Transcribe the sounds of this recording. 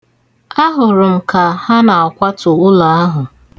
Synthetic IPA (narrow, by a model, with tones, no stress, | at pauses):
a˦ɦʊ˨ɾʊ˨m̩˨ka˨ha˦na˨a˨kʷa˦tʊ˨ʊ˦la˨a˦ɦʊ˨